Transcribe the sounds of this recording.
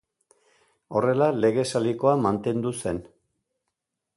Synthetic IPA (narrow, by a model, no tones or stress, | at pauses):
o̞re̞lale̞ɣ̞e̞saliko̞amant̪e̞nd̪use̞n